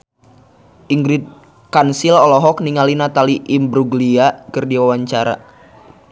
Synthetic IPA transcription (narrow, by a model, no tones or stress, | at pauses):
ʔiŋɡɾit̪̚ | kansilɔlɔɦɔk̚niŋalinat̪aliʔimbɾuɡliakərdiwawaɲt͡ʃaɾa̰